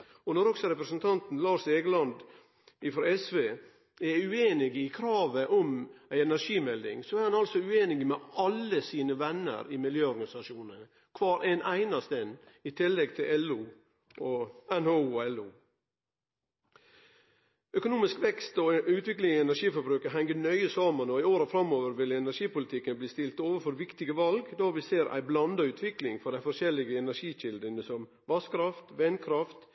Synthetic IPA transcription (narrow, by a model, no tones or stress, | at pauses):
ɔnɔɾɔksɔɾɛpɾəsnt̪ʰɑnt̪n̩lɑːʂeːɡlɑnd̪ | ɪfɾɑɛsʋeː | æɾʉeːnɪɡɪkʰɾɑːʋəʔɔmæɪɛnæɾʂiːmɛld̪ɪ̰ŋsɔæɾhɑnɑlsɔʉeːnɪɡmɛʔɑlːəsiːnəʋɛnːə̰ɾɪmɪljøːɔɾɡɑnɪsɑʂuːnə | kʰʋɑːɾʔæɪnʔæɪnɑst̪ɛn | ɪt̪ʰɪlːɛɡt̪ʰɪlɛluː | ʔɔɛnhouːɔɛluː | œkʊnuːmɪskʋɛkst̪ɔʉːt̪ʋɪklɪŋɪɛnæʂiːfɔɾbɾʉːkəɦɛŋɡənœʏəsɑːmənɔɪoːɾəfɾɑmːoːʋəɾʋɪlɛnæʂiːpʊlɪt̪ʰɪkːənbliːst̪ɪlt̪oːʋəfɔɾʋɪkt̪ɪɡəʋɑlɡd̪ɑːʋɪseːɾʔæ̰ɪblɑnd̪ɑʉːt̪ʰʋɪklɪŋfɔɖæɪfɔʂɛlɪɡəɛnæɾʂiːçɪld̪ənəsɔm | ʋɑskʰɾɑft̪ʋɛnkʰɾɑft̪